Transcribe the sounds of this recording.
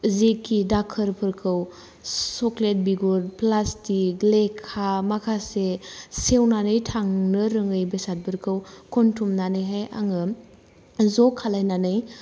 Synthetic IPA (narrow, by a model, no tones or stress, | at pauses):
zekːidakʰəɾpʰɯɾkʰɯw | soklet̚biɡuɾplastiɡlekʰːamakʰasesewnanɯjtʰaŋnɯɾɯŋɯjbesat̚bʰɯɾkʰɯwkʰontʰumnanɯjɦaja̰ŋɯ | zɔkʰːalajnanɯj